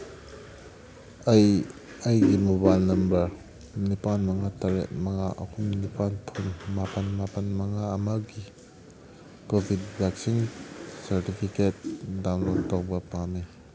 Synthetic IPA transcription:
j | ɐjɡimobajlnɐmbɐɾ | nipanmɐŋataɾḛt̚mɐŋa̰ʔɐ̰kʰumnipanpʰunmapɐnmapɐnmɐŋaɐmaɡi | kobʱidbɛksinsɐɾtipʰiket̚dawnlot̚tawbɐpami

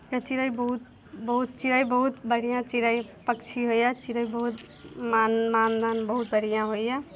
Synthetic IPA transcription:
kat͡ʃiɾəjbəɦut̪̚ | bəɦut̪̚t͡ʃiɾəjbəɦut̪bəɽijãt͡ʃiɾəjpəkt͡ʃʰiɦojjat͡ʃiɾəjbəɦut̪ | mamand̪anbəɦut̪̚bəɽijãɦojja

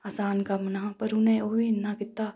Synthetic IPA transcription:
aːsaːnkamnapɐɾunẽoːiɪnːakɪt̪ːaː

